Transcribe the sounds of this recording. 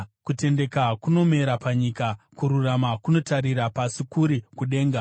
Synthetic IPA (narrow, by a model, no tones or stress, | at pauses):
kute̞nde̞kakuno̞me̞ɾapaɲikakuɾuramakuno̞taɾiɾapasikuɾikuɗe̞ːŋɡa